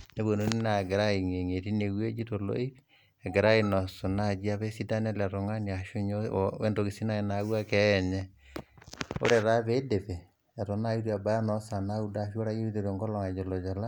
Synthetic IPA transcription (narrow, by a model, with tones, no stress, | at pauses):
ne˦βo˨no˦ni˦na˨ɡɛ˨ɾa˦i˨ŋe˨ŋe˨ti˦ne˨ɣwe˦d͡ʒi˦to˨lo̰˦i˦ | ɛ˨ɡɛ˨ɾa˦inɔ˨so˨na˦d͡ʒi˦a˦βe˦si˦da˦nɛ˦lɾo˨ŋa˦ni˨a˨ʃo˦ɲḛ˦ndo˨ɣi˨si˦na˦ena˨˦ɣwa˦kɛ˦ɲɛ˦ | o̰˦ɾɛ˦˨ɾa˦βe˦de˨βe˨ | a˨ɾo˨na˦i˦ɾa˨ba˨ja˦nɔ˦sa˨na˦u˦da˦˨ʃo˦ɾa˦ji˦ɾi˦to˨ɾo˨ŋɡɔ˦lɔ˨ŋa˨d͡ʒo˨lo˨d͡ʒa˨la˦